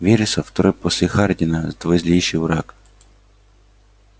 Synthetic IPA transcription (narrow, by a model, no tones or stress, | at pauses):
ʋʲiɾɪsɐft̪ɔɾɪpɔsʲixɑrd̪ʲinɐzd̪ʋɪzʲlʲijʃɪjwɾɑk